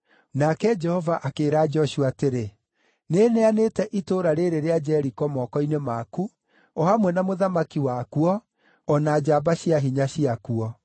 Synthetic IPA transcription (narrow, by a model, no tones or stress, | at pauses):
nakɛd͡ʒɛhɔvaʔakeːɾaːd͡ʒɔʃuateɾe | neːneanetɛʔitoɾaɾeɾeɾead͡ʒɛɾikɔmɔkɔinemaku | ɔhamwɛnamoðamakiwakuɔ | ɔnaːd͡ʒabaɕiaɦiɲaɕiakuɔ